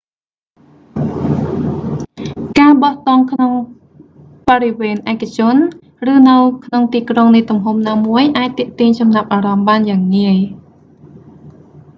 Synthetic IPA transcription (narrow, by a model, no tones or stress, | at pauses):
kaːɓɑht̪ɑŋkʰnoŋ | pɑɾiʋɛːnʔaɛkat͡ɕʊ̆ən | rɨːnɨwkʰnoŋt̪iːkroŋnɨjt̪umɦumnaːmuəjʔaːc̚t̪ɛ̆əʔt̪iəɲsɑmnap̚ʔaːɾɑmɓaːnjaːŋːiəj